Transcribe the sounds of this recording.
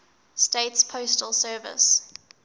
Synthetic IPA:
steɪtspʰostəlˠsɜːvɪ̰s

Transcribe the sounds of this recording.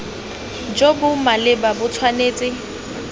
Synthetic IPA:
d͡ʒobʊmalɪbabʊt͡sʰwaneːt͡sʼɪ

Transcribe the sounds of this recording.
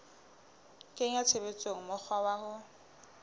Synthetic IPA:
kʼeŋ̩at͡sʰebet͡sʼoŋ̩mʊk͡xʰwawahʊ

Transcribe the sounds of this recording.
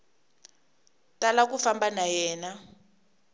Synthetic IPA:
talak̬ufambanajɛːna

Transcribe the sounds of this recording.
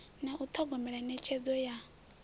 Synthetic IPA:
naʔut̪ʰɔɡɔmɛɺanɛt͡ʃʰed͡zɔja

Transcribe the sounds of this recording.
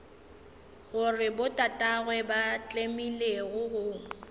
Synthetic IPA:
ɣʊrɪbʊtʼatʼaɣwɛbat͡ɬʼemileɣʊɣʊ

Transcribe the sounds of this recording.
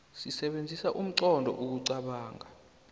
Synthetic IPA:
sisɛɓend͡zʱisaʔum̩ǀɔndʱɔ̰ʔuk̬uǀaɓaːŋa

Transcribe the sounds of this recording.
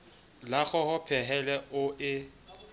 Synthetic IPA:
laχɔhɔpʰɛɦɛlɛʔʊʔɪ

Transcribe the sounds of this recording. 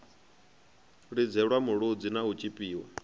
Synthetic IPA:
ɺid͡zʱɛɺwamuɺud͡zinaut͡ʃʼipʼiːɔ̰

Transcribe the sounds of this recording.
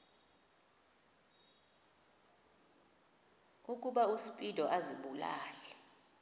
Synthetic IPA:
ukʼuɓausi̥pʼid̥ʱɔʔaziɓula̰ːlɛ

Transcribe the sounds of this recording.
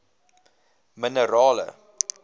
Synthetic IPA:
mənəɾɑːlə̰

